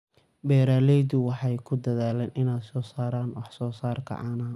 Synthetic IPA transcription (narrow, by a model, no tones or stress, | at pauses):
bɛːɾaːlɛjd̪ʊwɑħɑjkʰʊd̪ɐðaːlɛnʔɪnaːd̪sɔːsaːɾaːnwɑħsɔːsaːrkʰɐ̰ʔɑːnɐ